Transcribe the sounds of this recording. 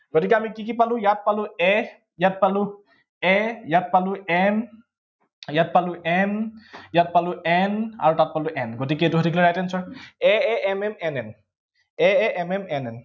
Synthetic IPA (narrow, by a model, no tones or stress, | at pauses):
ɡotikɛamikikipalujat̚paluɛ | jat̚palu | ɛjat̚paluɛn | jat̚paluʔɛnjat̚paluʔɛna̰ɹutat̚paluʔɛnɡotikɛet̬uɦɔdikʰilɔɹajtɛnsɔɛɛʔɛmɛmɛnɛn | ɛɛʔɛmɛmɛnɛn